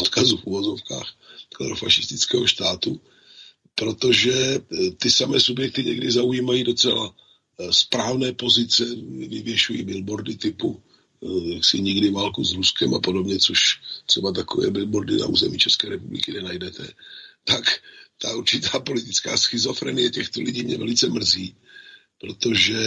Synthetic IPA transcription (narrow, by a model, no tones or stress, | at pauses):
ot̪kazufuvozofka̰ːxkla̰ɾofaʃɪst̪ɪt͡skɛːɦoʃt̪aːt̪u | pɾo̞t̪o̞ʒɛt̪ɪsamɛːsubjɛk̚t̪ɪɲɛɡdɪzaujiːmajiːdo̞t͡sɛla | spɾaːvnɛːpo̞zɪt͡sɛvɪvjɛʃujḭːbɪlbo̞ɾdɪt̪ɪpu | jaksɪɲɪɡdɪvaːlkuzɾuskɛmapo̞do̞bɲɛt͡soʃt̪r̥ɛbat̪̬akovɛ̰ːbɪlboɾdɪna̰ʔṵːzɛmḭːt͡ʃɛskɛːɾɛpublɪkɪnɛnajdɛt̪ʰɛ̰t̪akt̪auɾt͡ʃɪt̪aːpo̞lɪt̪ɪt͡ska̰ːsxɪzo̞fɾɛ̰ːnɪjɛcɛxt̪olɪɟiːmɲɛvɛlɪt͡sɛmr̩ziː | pɾo̞t̪o̞ʒɛ